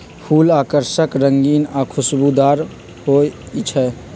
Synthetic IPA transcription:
pʰuːlaːkəɾʃəkɾəŋɡiːnaːkʰʊsbud̪aːɾ | hoː | it͡ʃʰɛ

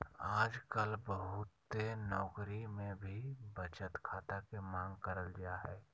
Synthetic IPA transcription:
aːd͡ʒkəlbəɦʊt̪ːenɔːkɾimẽbʱibət͡ʃət̪kʰaːt̪akemãːŋɡkəɾəld͡ʒaɦɛː

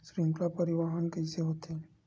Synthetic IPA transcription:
sɾiŋklapəɾiʋaɦənkəiseɦot̪e

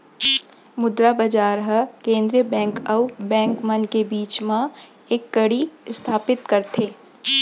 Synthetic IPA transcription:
mʊd̪ɾabɐd͡ʒaːɾɦəkẽːnd̪ɾijəbɛ̃ːŋkɐwbɛ̃ːŋkmɐnkebiːt͡ʃmã | eːkːɐɽist̪ʰaːpɪt̪kɐɾt̪ʰeː

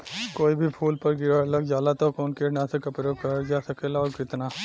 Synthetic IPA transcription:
koːibʱipʰuːlpɐɾɡɪɾaɾləɡd͡ʒjaːlat̪okoːnkenasekɐpɾokɐɾd͡ʒaːsɐkeːlaɔːɾkɪt̪naː

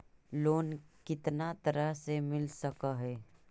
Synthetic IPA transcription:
loːnkɪt̪nat̪əɾəɦsemɪlsəkaɦɛː

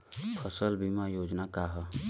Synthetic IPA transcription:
pʰəsəlbimajoːd͡ʒnakaɦə

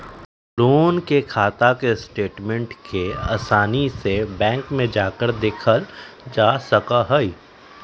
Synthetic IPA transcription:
loːnkekʰaːt̪akesʈeːʈmɛ̃ɳʈkʰea̰ːsaːnisebɛ̃ːŋkmẽd͡ʒaːkəɾd̪eːkʰəld͡ʒaːsɐkaɦəi

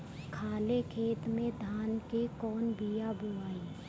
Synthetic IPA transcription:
kʰaːlekʰeːt̪mẽd̪ʱaːnkekɔːnbijabʱoaːiː

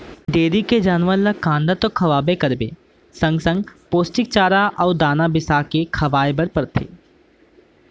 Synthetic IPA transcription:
ɖeːɾiked͡ʒaːnʋənlakãːnd̪at̪okʰɐʋaːbekɐɾbḛː | sɐ̃ŋɡsə̃ŋɡpoːsʈɪk̚t͡ʃaːɾaʔɔːd̪aːnabɪsakekʰɐʋaːebəɾpɐɾt̪ʰḛː

